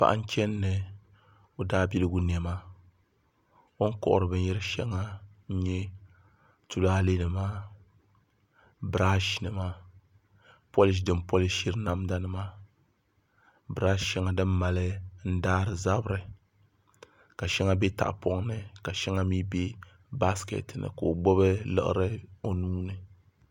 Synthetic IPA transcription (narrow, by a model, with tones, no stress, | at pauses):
pa̰˨ʔa̰˨ŋ̩˦t͡ʃɛ˦nːɨ˨ | o˦daː˦bi˦lɨ˦ɡu˦n˨ɛ˨ma˦ | o˦ŋ̩˦kɔ̰˨ʔʊ̰˨ɾɨ˨bɨ˨n˦i˦ɾɨ˦ʃɛ̰˦ŋːa˦ | ɲ̩˦ɲɛ˦ | tu˨laː˦le˦nɨ˨ma˦ | bɨ˨ɾa˦ʃi˨nɨ˨ma˦ | po˦li˨˦ʃ̬dɨ˨mpo˦li˦ʃi˦ɾna˦mda˦nɨ˨ma˦ | bɨ˨ɾa˦ʃɛ˦ŋa˨dɨ˦mː˦a˨lɨ˦n̩˦daː˦ɾɨ˨za˦bɾɨ˨ | ka˨ʃɛ˦ŋa˦bɛ˦ta̰˨ʔpɔ˦ŋnɨ˨ka˨ʃɛ˦ŋa˦mi˦be˦ | ba˦skɛ̰˨tnɨ̰˨ko˨o˨ɡ͡bo˦βɨ˦lɨ̰˨ʔɨ̰˦ɾɨ˦o˦nuː˦nɨ˨